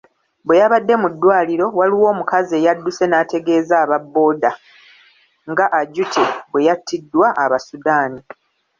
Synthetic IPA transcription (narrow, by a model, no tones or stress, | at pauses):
bwe̞jaβadːe̞mudːwaːliɾo̞waliwo̞ːmukaze̞ːjadːuse̞naːte̞ɡe̞ːzaːβabːo̞ːda | ŋɡaʔaɟutʰebwe̞jatːidːwaʔaβasudaːni